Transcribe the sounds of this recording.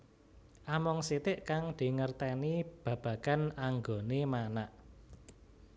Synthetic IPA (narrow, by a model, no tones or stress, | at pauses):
ʔamɔŋsit̪ɪʔkaŋd̪̥i̤ŋərt̪ɛnib̥ä̤b̥ä̤ɡ̥a̤naŋɡonemanaʔ